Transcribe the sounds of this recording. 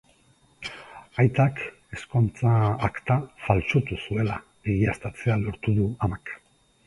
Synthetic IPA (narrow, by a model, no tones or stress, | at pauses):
ajt̪ak | e̞skont͡saːkt̪afalt͡ʃo̞t̪usue̞la | biɣiast̪at͡se̞alo̞ɾt̪uðuamak